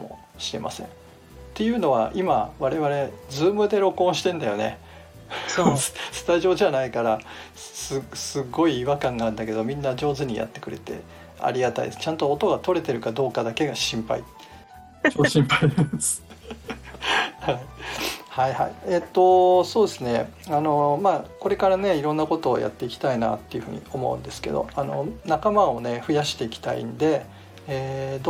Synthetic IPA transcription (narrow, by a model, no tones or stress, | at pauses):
mo̞̰ | ɕiɾe̞̰mʔa̰sẽ̞̰ | t̪e̞jɯ̟ːno̞β̞a̰ʔimaβaɾe̞βaɾe̞d͡zɨːmɯ̟d̪e̞ɾo̞kõ̞ɰ̃ɕi̥t̪ẽ̞nd̪ajo̞ne̞̰ | ssɨ̥t̪aʑo̞ːʑanaikaɾasɨsɨɡo̞iːβakãŋɡãːnd̪ake̞d̪o̞mʲĩnːad͡ʑo̞ːzɨɲ̟ija̰t̪ːe̞kɯ̟ɾe̞̰t̪e̞̰ | a̰ɾʲiɡat̪aḭ̥t͡ɕãnt̪o̞ːt̪o̞ɡat̪o̞ɾe̞t̪e̞ɾɯ̟kad̪o̞ːkad̪ake̞ɡaɕĩmpa̰ḭ | oɕĩmpais | haihaiha̰ḭeːt̪ːo̞so̞ːd̪e̞sɨne̞ano̞maːko̞ɾe̞kaɾane̞iɾõ̞nːako̞t̪o̞̰ːjʔa̰t̪ːe̞ikʲi̥t̪aina̰t̪ːe̞iɯ̟ɸɯ̟ɲ̟ḭo̞mo̞̰ɯ̟̰̃nd̪e̞sɨ̥ke̞d̪o̞̰ano̞nakamao̞ne̞ɸɯ̟jaɕi̥t̪e̞ikʲi̥t̪a̰ḭnd̪e̞ | eːd̪